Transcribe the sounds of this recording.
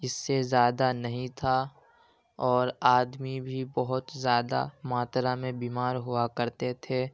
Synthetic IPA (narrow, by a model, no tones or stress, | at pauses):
ɪsːezjaːd̪anɐɦĩt̪ʰa | ɔːɾaːd̪mibʱibɐɦʊt̪zjaːd̪a̰maːt̪ɾamẽbiːmaːɾɦʊakɐɾt̪et̪ʰeː